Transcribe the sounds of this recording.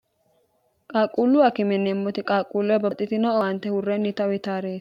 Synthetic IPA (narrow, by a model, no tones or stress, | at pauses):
kʼaːkʼuːlːʊwakɪmɛnːɛmːɔt̪ɪkʼaːkʼːulːɔɛbɐt̪ʼːɪt̪ɪnɔɐɐnt̪ːɛhʊrːɛnːɪt̪ɐwɪt̪aːɾeːs